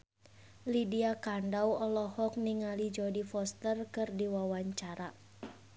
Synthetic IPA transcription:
lidiakandawɔlɔhɔk̚niŋalid͡ʒɔdifɔst̪ərkɨrdiwawaɲt͡ʃaɾa

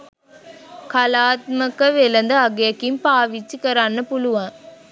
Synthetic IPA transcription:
kɐlaːt̪̚mɐkɐʋɛlɐnd̪ɐɐɡɐjɐkːimpaːʋit͡ʃːikɐɾaːnɐpʊlʊʋãː

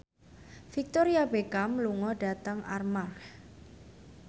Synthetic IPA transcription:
fik̚t̪oɾiabekamluŋɔɖ̥a̤t̪əŋʔa̰rmark

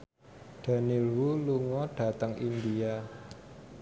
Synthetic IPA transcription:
ɖ̥a̤nilwuluŋɔɖ̥a̤t̪əŋʔind̪ia

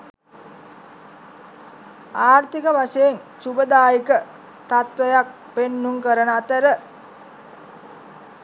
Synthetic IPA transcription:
aːɾt̪ikəʋaʃəjen | t͡ʃubəd̪aːjikə | t̪at̪ʋəjak̚ | penːuŋkəɾənəat̪əɾə

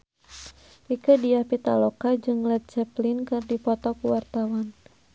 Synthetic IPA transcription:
ʔikədijahpit̪a̰lɔkad͡ʒɨŋlɛt̪̚t͡ʃɛplinkɨrdipɔt̪ɔkuwart̪awan

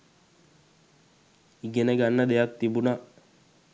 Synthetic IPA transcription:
iɡenəɡanːəd̪ejak̚t̪ibuna

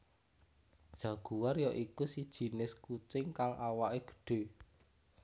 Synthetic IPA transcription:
d̥ʒ̥a̤ɡ̥ṳwarjɔʔikusid̥ʒ̥i̤nɪskut͡ʃɪŋkalʔawaʔeɡ̥ə̥̤ɖ̥e̤

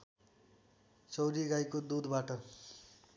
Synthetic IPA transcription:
t͡sʌwɾiɡajkod̪ud̪baʈʌ

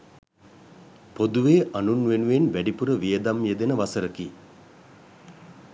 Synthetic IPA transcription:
pod̪uʋeːʔanunʋenuʋenʋæɖipuɾəʋijəd̪amjed̪enəʋasəɾəki

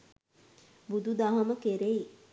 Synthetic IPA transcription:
bud̪ud̪aɦɐməkeɾei

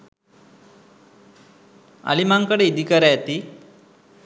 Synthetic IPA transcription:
a̰limaŋkəɽeid̪ʱikəɾajat̪i

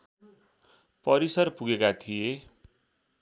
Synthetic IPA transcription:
pʌɾisʌrpuɡekat̪ʰije

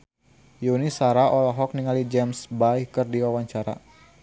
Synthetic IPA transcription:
junisaɾaʔɔlaɦɔk̚niŋalid͡ʒɛmsbaihkərdiwawaɲt͡ʃaɾa̰

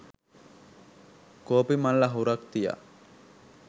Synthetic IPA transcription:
koːpimalːaɦuɾakt̪ija̰

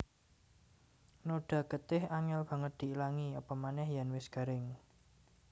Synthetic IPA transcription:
noɖ̥a̤ɡət̪ɪhaŋɛlb̥ä̤ŋət̪̚d̪̥i̤ilaŋiɔpɔmanɛhjanwɪsɡ̥a̤ɾɪŋ

